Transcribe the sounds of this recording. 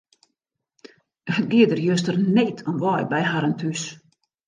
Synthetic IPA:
ətɡiədərjøs̬tərnetʰɔnʋɔːj̚bɛjɦaɾəntʰys

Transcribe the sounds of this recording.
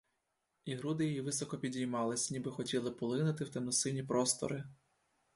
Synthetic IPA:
iɦɾud̪ɪjɔjiʋɪsɔkɔpʲidʲijmɑlˠɪsʲnʲibɪxɔtʲilˠɪpɔlˠɪnʊt̪ɪwt̪ɛmnʊsɪnʲipɾɔst̪ɔ̰ɾɪ

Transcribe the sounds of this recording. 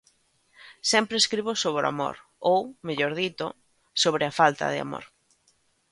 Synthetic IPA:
sɛmpɾeskɾiβosoβɾoa̰mo̰ɾ | owmeʎoɾðit̪o | soβɾɪafalt̪ɐ̰ðɪa̰mo̰ɾ

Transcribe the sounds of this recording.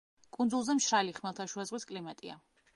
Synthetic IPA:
kʼund̪zulˠzɛmʃɾaliχmɛlˠt̪ʰaʃuazʁwiskʼlimat̪ʼḭa̰

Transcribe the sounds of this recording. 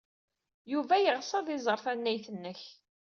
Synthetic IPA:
juvæjəʁsɑðˤɪzˤəɾˤθænːæjθənːəç

